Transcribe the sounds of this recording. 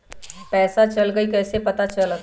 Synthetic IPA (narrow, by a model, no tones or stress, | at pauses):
pɛːsat͡ʃɐlɡəikɛːsepɐt̪at͡ʃɐl